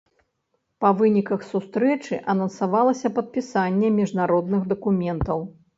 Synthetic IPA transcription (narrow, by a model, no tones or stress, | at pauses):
pɐvɨnʲikɐxsust̪ɾɛt͡ʂɨʔɐnɐnsavalˠɐsʲɐpɐt̪̚pʲisanʲːɛmʲiʐnaɾɔd̪nɨxd̪ɐkumʲɛnt̪ɐw